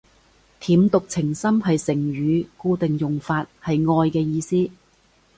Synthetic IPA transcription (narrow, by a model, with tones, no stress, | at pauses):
t̪ʰiː˨˥mt̪ʊ˨k̚t͡sʰɪ˨˩ŋsɐ˥mɦɐ˨jsɪ˨˩ŋɥyː˨˧kuː˧t̪ɪ˨ŋjʊ˨ŋfaː˧t̚hɐ˨jŋɔː˧jkɛː˧jiː˧siː˥